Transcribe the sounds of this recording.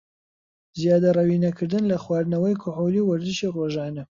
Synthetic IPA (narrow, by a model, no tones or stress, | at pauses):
zijaːd̪ɐrˤɐwiːnɐkʰɨɾd̪ɨnlɐxwɑːɾnɐwɐjkʰʊħoliwɐɾd̪ɨʃiroːʒɑːnɐ